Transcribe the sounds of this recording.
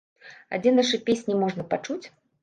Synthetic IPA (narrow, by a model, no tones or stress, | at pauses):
a̰d͡zʲɛnaʂɨpʲesʲnʲimɔʐnɐpat͡ʂut͡sʲ